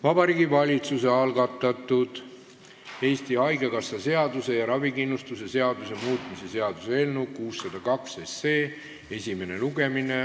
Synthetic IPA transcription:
vɑb̥ɑɾiːɡivɑlʲit̪suse̞ɑlɡɑt̪ːˑɑt̪ːˑud̪̥ | e̞ːst̪ihɑjɡ̥ekɑsːɑse̞ɑd̪use̞jɑɾɑvikinːust̪use̞se̞ɑd̪muse̞muːt̪ˑmise̞se̞ɑd̪̥usee̞lnukuːsːɑd̪̥ɑkɑksese̞ː | e̞sʲime̞ne̞luɡ̥e̞mine̞

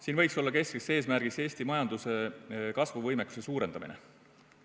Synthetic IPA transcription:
siːnvɤjkso̞lːɑke̞skese̞ːs̬mærɡ̥ise̞ːsʲt̪imɑjɑnd̪̥use̞kɑsvuvɤjmekːˑu̥se̞suːɾe̞nd̪̥ɑmḭnḛ

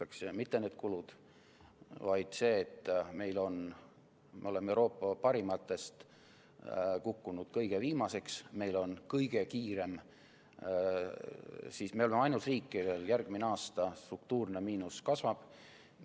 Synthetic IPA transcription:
ɑksmit̪ːe̞ne̞ːd̪̥̚kulud̪̥ | vɑjd̪̥se̞ːt̪ˑːme̞jlo̞n | mḛo̞le̞mːewɾo̞ːpːɑpɑɾimɑt̪ːˑe̞st̪ | kukːunud̪̥kɤjɡ̥e̞viːmɑse̞ksme̞jlo̞nkɤjɡ̥e̞kiːɾe̞m | siːsme̞o̞lemeɑjnult̪riːkːˑive̞ːljærɡ̥mineɑːst̪ɑst̪ɾuk̚t̪uːrne̞miːnuskɑsvɑb̥

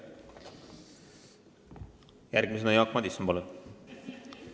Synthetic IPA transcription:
jærɡ̥mis̬enɑjɑːkmɑd̪isɑmbolu

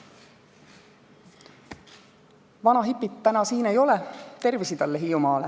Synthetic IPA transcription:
ʋɑnɑɦipˑːit̪ːænɑsiːne̞jo̞let̪e̞rʋisit̪ælːeɦiumɑːle

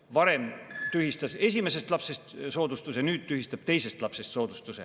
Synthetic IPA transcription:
vɑɾe̞mt̪yɦist̪ɑse̞s̬ʲime̞s̬e̞st̪lɑpsest̪so̞ːd̪ust̪usenyːd̪̥̚t̪yhist̪ɑb̥̚t̪e̞jse̞st̪lɑpsest̪so̞ːd̪̥ust̪use

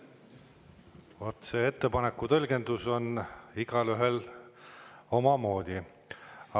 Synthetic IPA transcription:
vot̪se̞ːet̪ːe̞pɑnekːˑut̪ɤlʲɡ̥e̞nd̪̥uso̞niɡ̥ɑlyɦe̞l | o̞mɑmo̞ːd̪̥ʲi | ɑ

